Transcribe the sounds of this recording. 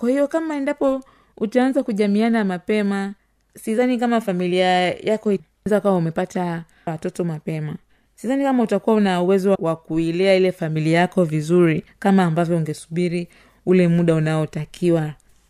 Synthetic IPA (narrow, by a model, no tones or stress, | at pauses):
kwahijɔkamaɛndapɔ | utaanzakuʄamianamapɛma | sizanikamafamiliajakɔi | nzakawaumɛpata | watɔtɔmapɛma | sizanikamautakuwaunauwɛzɔwakuilɛailɛfamiliajakɔvizuɾikamaːmbavjɔuŋɡɛsuɓiɾi | ulɛmuɗaunaɔtakʰiwa